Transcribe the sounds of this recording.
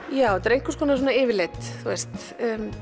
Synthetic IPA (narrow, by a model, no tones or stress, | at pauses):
jaːwt̪ːɾejŋkʏ̥skɔːnas̬ɔnaɪːvɪɾlet̪θuɛst̪ː